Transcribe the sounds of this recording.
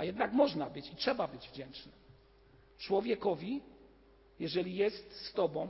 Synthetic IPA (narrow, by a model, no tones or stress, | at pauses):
ajɛd̪nakmɔʐnabɘt͡ɕitʂɛbabɘd͡ʑvd͡ʑɛnt͡ʂnɘ | t͡ʂwɔvʲjɛkɔvʲi | jɛʐɛlʲijɛst̪st̪ɔbɔ̃w̃